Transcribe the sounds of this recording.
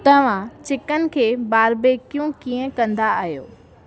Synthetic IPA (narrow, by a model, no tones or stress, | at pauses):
t̪ɐʋ̤ãt͡ɕɪkənɪ̆kʰeːbaːɾbeːkjũkiːə̃kɐ̃nd̪aːɦijo̰ː